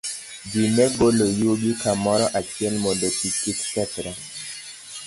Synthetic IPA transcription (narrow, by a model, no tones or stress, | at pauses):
d͡ʒinɛɡolojoɡikamɔɾɔʔat͡ʃiɛlmodotikiksɛtɾa